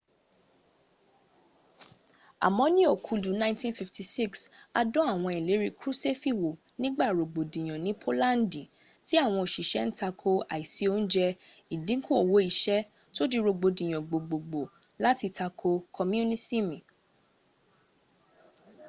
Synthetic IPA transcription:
a̰˨mɔ̃˨˦nĩ˦o˦˨kʰu˨˧du˨˦nã˦tĩ˦nfi˧fti˨si˦˨ksa˧dɔ̃˦a˦˨w̃ɔ̃˧˨i˨le˨˦ɾi˧kɾu˦se˦fi˦˨wo˨ | nĩ˦ɡ͡ba˦˨ɾo˨ɡ͡bo˨dĩ˨j̃ɔ̃˨nĩ˨˦pʰo˦lã˦n˦di˨ | ti˦a˦˨w̃ɔ̃˧o˨ʃi˨ʃɛ˨˦n̩˦ta˧kʰo˧a˨i˨si˨˦o˦n̩˦d͡ʒɛ˧i˨dĩ˨˦ko˦o˨wo˨˦i˨ʃɛ˦ | to˦di˧ɾo˧ɡ͡bo˨dĩ˨j̃ɔ̃˨ɡ͡bo˨ɡ͡bo˨ɡ͡bo˨ | la˨˦ti˧ta˧kʰo˧kʰɔ˧m˦u˦nĩ˦si˦mĩ˨

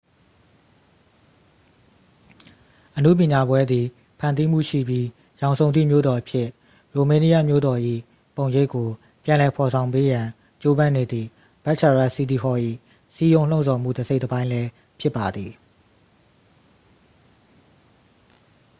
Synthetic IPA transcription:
ʔənṵ˦˨p̬jɪ̃˨ɲa˨bwɛ˦d̪i˨ | pʰã˨nt̪i˦m̥ṵ˦˨ʃḭ˦˨bji˦ | jã˨ʊ̃nsʰõ˨ʊnḭ˦˨mjo̰˦˨d̪ɔ˨ʔəpʰjɪ˦ʔ | ɹo˨mẽ˦ni˦a˦˨mjo̰˦˨d̪ɔ˨ʔḭ˦˨ | põ˨je˦kːo˨ | pjã˨lɛ˨pʰɔ˨sʰã˨ʊ̃mpe˦jã˨ | t͡ɕo˦bã˦ne˨d̪ði˨ | b̥a˦ʔt͡ɕʰa˨ɹa˦˨si˦di˨ɦɔ˦ʔḭ˦˨ | si˦jõ˦ʊ̃lõ˦ʊ̃˨sʰɔ˨m̥ṵ˦˨də˨ze˦ɪʔtːəbã˦ɪ̃lɛ˦ | pʰjɪ˦˨pːa˨d̪ði˨

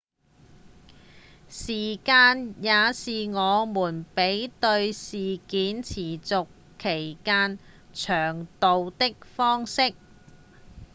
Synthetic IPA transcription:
siː˨˩kaː˧njaː˨˧siː˨ŋɔː˨˧muː˨˩npe˨˥jt̪ɵ˧ɥsiː˨˩kiː˨˥nt͡sʰiː˨˩t͡sʊ˨kʰːe˨˩jkaː˥n | t͡ʃʰœː˨˩ŋt̪o˨wt̪ɪ˥k̚fɔː˥ŋsɪ˥k̚

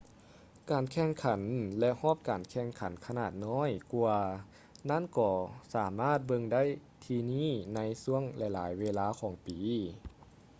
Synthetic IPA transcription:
kaː˨˩nkʰɛ˧˩ŋkʰa˩˦nlɛ˧ʔhɔː˥˩p̚kaː˨˩nkʰɛː˧˩˨ŋkʰa˩˦nkʰa˧naː˧˨˩t̪̚nɔː˧˥˨jku˧ɐ | na˥˨nkɔː˧˩saː˩˦maː˥˩t̪̚bɤ˧ŋda˥˨j | t̪ʰiː˧niː˥˩˨na˧˥jsu˧˥əŋlɛ˧˩jlaː˩˦jweː˧laː˧˥kʰɔː˩˦ŋpiː˨˦

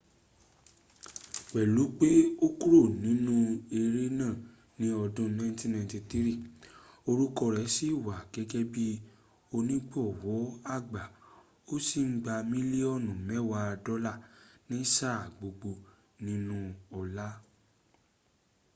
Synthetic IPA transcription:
wɛ˨lu˨˦k͡pe˦o˦ku˦ɾo˦˨nĩ˨˦nũ˦e˧ɾe˦nãː˦˨ | nĩ˦ɔ˧dũ˦nã˧˦tĩ˦nã˧˨˧ti˧ti˦ɾi˦˨ | o˧ɾu˦kɔ˧ɾɛ˨˦si˦˨wa˨ɡ̥ɛ˨˦ɡɛ˦bi˦ | o˧nĩ˦ɡ͡bɔ˦˨wɔ˨˦a˦˨ɡ͡ba˨ | o˦si˦˨ŋ̩˦ɡ͡ba˧mĩ˦le˦ɔ˦˨nũ˨mɛ˨˦wa˧a˧dɔ˦la˦˨nĩ˨˦sa˦˨ɡ͡bo˨ɡ͡bo˧ | nĩ˦nũ˦ɔ˧la˦

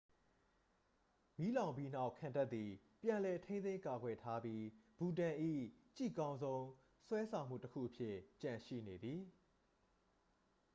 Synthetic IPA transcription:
mi˦lã˨ʊ̃mpji˦n̥a˦ʊkʰã˨nta˦t̪̚t̪ːi˨ | pjã˨lɛ˨tʰẽ˦nt̪ẽ˦ka˨ɡwɛ˨tʰa˦bji˦b̥u˨t̬ã˨ʔḭ˦˨t͡ɕḭ˦˨kã˦ʊ̃nzõ˦ʊ̃ | swɛ˦sʰã˨ʊ̃m̥ṵ˦˨təkʰṵ˦˨ʔəpʰjɪ˦˨t͡ɕã˨ʃḭ˦˨ne˨d̪ði˨

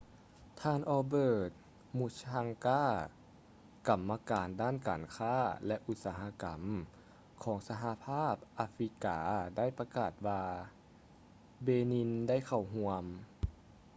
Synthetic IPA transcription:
t̪ʰaː˧˨nʔɔː˧bɤː˧˩t̪̚ | mu˧˩t̪̚aː˧ŋkaː˥˩ | ka˨˩mːa˧kaː˨ndaː˥˨nka̰ː˨nkʰaː˥˩lɛ˧ʔu˧t̪̚saː˨˧ɦa˧˥ka˨˩m | kʰɔː˩˦ŋsa˧ɦa˧˦pʰaː˥˩p̚ʔaː˧fɾi˧˦˥ka̰ː˨˦da˥˩˨jpa˧kaː˨˩t̪̚waː˧ | beː˧ni˧˥nda˥˨jkʰa˨˩wɦu˧əm

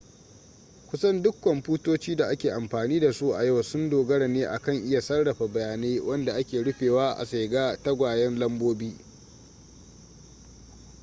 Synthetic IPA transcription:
kʷʊ˦sɐ˦ndʊ˦kːɐ˨mɸuː˦toː˦t͡ʃiː˦da˨ʔa˦kʲeː˨ʔa˨mɸaː˨niː˦da˨su˦ʔa˨ja˦˨wsʊ˦ndoː˨ɡɐ˦ɽɐ˨neː˦ʔa˨kɐ˦˨ŋʔɪ˦ja˨sɐ˦rɽɐ˨ɸa˨bɐ˨jaː˨neː˦wʔɐ˦nda˨ʔa˦kʲeː˨ɽʊ˦ɸeː˨waː˦ʔa̰˨sa˨ɡaː˦ta˦ɡʷaː˨jɐ˦nlɐ˦mboː˦biː˦

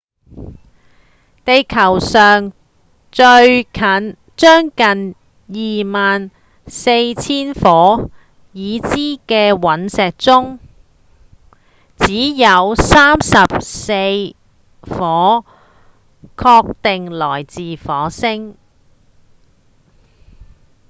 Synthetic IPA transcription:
t̪e˨˧jkʰɐ˨˩wsœː˨ŋ | t͡ʃɵ˧ɥkʰɐ˨˥n | t͡ʃœː˥ŋkɐ˨n | jiː˨˩maː˨n | se˧jt͡sʰiː˥nfɔː˨˥ | jiː˨˧t͡siː˥kɛː˧wɐ˨˥nsɛː˨k̚t͡sʊ˥ŋ | t͡siː˨˥jɐ˨˧wsaː˥msɐ˨p̚se˧j | fɔː˨˥ | kʰɔː˧k̚t̪ɪ˨ŋlɔː˨˩jt͡siː˨fɔː˨˥sɪ˥ŋ

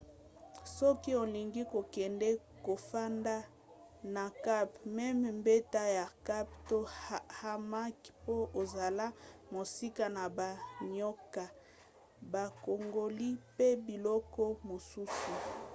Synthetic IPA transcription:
sɔ˦ki˦o˨li˨ŋɡi˦ko˨kɛ˨ndɛ˦ | ko˨fa˦nda˦ | na˨ka˦pmɛ˦m˨mbe˦ta˦ja˨ka˦pto˦ha˦ma˦kpo˦o˨za˨la˦mo˨si˦ka˦na˨ba˨ɲɔ˦ka˨ | ba˨ko˨ŋɡo˨li˦pe˦bi˨lɔ˦kɔ˦mo˨su˦su˨

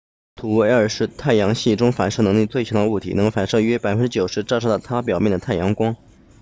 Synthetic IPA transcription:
t̪ʰu˨˩wə˞˨˩ʂɻ̩˥˧t̪ʰa˥˩ɪjɑ˧˥ŋɕi˥˩ʈ͡ʂʊ˥ŋfa˨˩nʂɤ˥˩nɤ˧˥ŋli˥˧t͡swe˥˩ɪt͡ɕʰjd̪ə˧u˥˩t̪ʰḭ˨˩nɤ˧˥ŋfa˨˩nʂɤ˥˧ɥɛ˥pa˨˩ɪfə˥nʈ͡ʂɻ̩˥t͡ɕjo˨˩ʊʂɻ̩˧˥ʈ͡ʂʈ͡ʂʰɤ˥t̪t̪ʰa˥p̬jɑ˨˩ʊmjɛ˥˩nd̪ə˩t̪ʰa˥˩ɪjɑ˧˥ŋkwɑ˥ŋ

